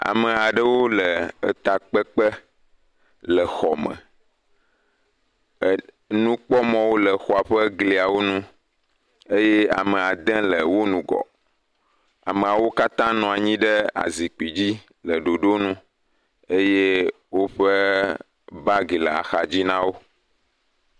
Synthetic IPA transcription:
a̰˨mə˨a˨ɖə˦wo˦lə˨ə˦t̪a˨k͡pə˦k͡pə˦ | lə˨xɔ˨mə̰̃˨ | nũ˦k͡pɔ˦mɔ̃˦wo˦lə˨xɔ˨a˨ɸə˦ɡli˨a˨wo˦nũ˦ | e˦je˦a̰˨mə˨a˨d̪ɛ̃˦lə˨wo˦nũ˨ɡɔ̰˨ | a̰˨mẽ˨a˨wo˦ka˦t̪ã˦nɔ̃˨a˨ɲĩ˦ɖə˦a̰˨zi˨k͡pi˨d͡ʑi˦ | lə˨ɖo˨ɖo˦nũ˦ | e˦je˦ | wo˦ɸə˦ | ba˦ɡi˨lə˨a̰˨xa˨d͡ʑi˦nã˦wo˦

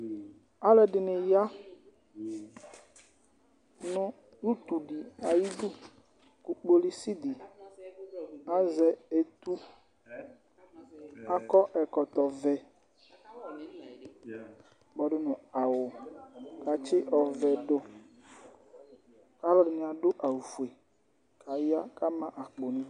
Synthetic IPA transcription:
a˦lɛ˨ɖɪ˨nɪ˨ja˦ | nʊ̃˦ | nu˦t̪u˨ɖi˨a˨ji˦du˦ | ku˨k͡po˦li˦si˦d̪i˨ | a˦zɛ˨e˨t̪u˦ | a˦kɔ˦ʔɛ˨kɔ˨t̪ɔ˨vɛ˨ | bɔ˨ɖʊ˦nʊ̃˨a˨wʊ˨ka˨t͡ʃɪ˦ʔɔ˨vɛ˨ɖo˦ | ka˦lɔ˦ɖɪ˨nĩ˨a˨ɖʊ˦ʔa˨wu˨vu˨e˨ | ka˨ja˦ka˦mã˦ʔa˨k͡po˨nĩ˦

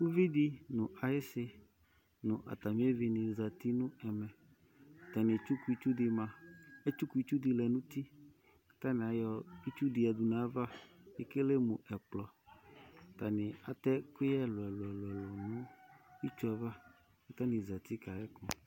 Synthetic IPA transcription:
wu˦vi˦d̪i˦nʊ̃˨ʔa˨je˦sɪ˦ | nʊ̃˨ʔa̰˨t̪a˨mĩ˦e˦vi˨nĩ˨za˨t̪i˦nʊ̃˦ɛ˨mɛ̃˨ | t̪a˨nɪ̃˨t͡ʃu˦ku˦i˦t͡ʃu˦di˨mã˨e˦t͡ʃu˦ku˦i˦t͡ʃu˦di˨lɛ˨nũ˦t̪i˦ | kḁ˦t̪a˦nɪ̃˨a˨jɔ˨i˦t͡ʃu˦di˨a˨du˨nã˨˦va˦e˦ke˦le˦mũ˨ʔɛ˨k͡plɔ˨ | t̪a˨nɪ̃˨a˨t̪ɛ˦ke˦jɛ˦lɔ˨ɛ˨lɛ˨lʊ˨ɛ˨lɔ˨nũ˦i˦t͡ʃu˦a˨va˦ | ka˦t̪a˦nĩ˨za˨t̪i˦ka˨ɾɛ˦kɔ̃˨

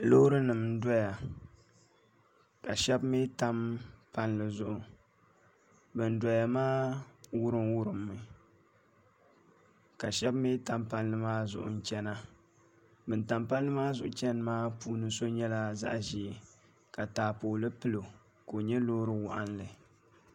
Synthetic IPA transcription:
lo˦ɾɨ˦nɨ˨m˦da˦ja˨ | ka˨ʃɛ˦bmi˦ta˦mpa˦nlɨ˨zʊ˦˨ʔʊ˨ | bɨ˨n˦da˨ja˨maː˦wʊ˦ɾɨ˦mwʊ˦ɾɨ˨mːɨ˨ | ka˨ʃɛ˦bmi˦ta˦mpa˦nlɨ˨maː˦zʊ̰˨ʔʊ̰˨n̩˨t͡ʃɛ˦na˦ | bɨ˨n˨ta˨mpa˦nlɨ˦maː˦zʊ˨ʔʊ˨t͡ʃɛ˦n˦maː˦puː˦nɨ˦so˦ɲɛ˦la˦za̰˦ʔʒi˨ | ka˨taː˨poː˨lɨ˦pɨ˦lo˨ | ko˨ɲɛ˦loː˦ɾɨ˦wʊ̰˨ʔa˦nlɨ˨

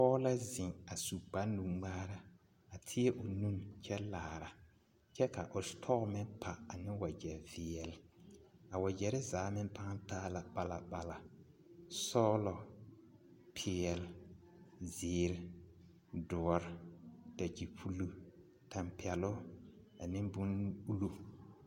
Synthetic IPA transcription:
pɔː˦la˦zɪ˨ŋa˨su˨k͡pa˦nːũ˨ɡ͡baː˦ɾa˦ | a˨tʰɪ˦ɛ˦ʔʊ˨nu˦nt͡ʃɛ˦laː˨ɾa˨ | t͡ʃɛ˦ka˨ʔʊ˨stʰɔ˦ɣʊ˨mɪ˦npʰa˨a˨nɪ˦wa˨d͡ʒɛ˨ɾvɪ˨ɛ˨la˨wa˨d͡ʒɛ˨ɾɪ˦zaː˨˦mɪ˦mpa˦ŋa˦taː˦la˨ba˨la˨ba˨la˨ | sɔː˦lɔ˨ | pʰɪ˦ɛ˨l | zɪː˨˦ɾɪ˦ | dʊ˨ɔ˨ɾda˨d͡ʒi˨pʰu˦lu˨ | tʰa˨mpi˨ɛ˨lʊ˦ | a˨nɪ˦bʊ˦nu˦lu˦

